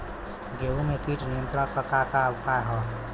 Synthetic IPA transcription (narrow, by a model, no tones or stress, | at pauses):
ɡeumekiʈnijə̃nt̪ɾakəkakabkaeɦɔ